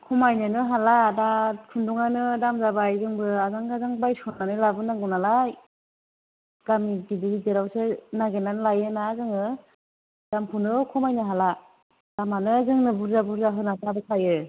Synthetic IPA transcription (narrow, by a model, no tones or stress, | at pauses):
kʰɔmajnɯnɯɦaladakʰɯndɔŋanɯdamzabajzɯŋbɯazaŋɡazaŋbajsɔnanɯlabɯnaŋɡɯnalaj | ɡ̥amidibiɾideɾawsenaɡenanɯlajɯnazɯŋɯ | d̥ampʰunɯkʰɔmajnɯɦala | d̥amanɯzɯŋnɯbuɾzabuɾzaɦɯnasabɯsʰajɯ